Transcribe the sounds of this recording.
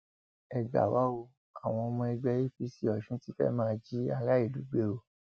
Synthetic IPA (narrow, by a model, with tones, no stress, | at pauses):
ɛ˨ɡ͡ba̰˨wa˦wo˧ | a˨w̃ɔ̃˧mɔ̃˧ɛ˧ɡ͡bɛ˧˦i˦˨fi˨˦si˦ɔ˨ʃũ˦ti˦fɛ̰˦mãː˦˧d͡ʒi˦a˧ɾa˦i˦˨du˨˦ɡ͡be˧o˨